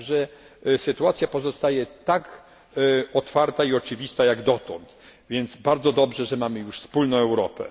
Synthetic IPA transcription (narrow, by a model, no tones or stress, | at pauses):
ʐɛ | sɘt̪uat̪sʲjapɔzɔst̪ajɛt̪ak | ɔt̪faɾt̪aiɔt͡ʂɘvʲist̪ajaɡd̪ɔt̪ɔ̃nt̪ | vʲjɛnd̪sbaɾd̪zɔd̪ɔbʐɛʐɛmamɘjuʂspulnɔ̃w̃ɛwɾɔpɛ̰